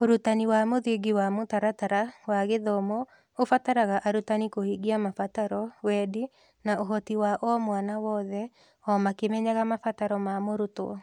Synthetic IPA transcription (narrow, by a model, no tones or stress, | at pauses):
oɾutaniwamoðeɡiwamotaɾataɾawaɣeðɔmɔ | ofataɾaɣaʔaɾutanikohiɡiamafataɾɔwɛdi | naoɦɔtiwaʔɔmwanawɔːðɛ | ɔmakemɛɲaɣamafataɾɔmamoɾutoɔ̰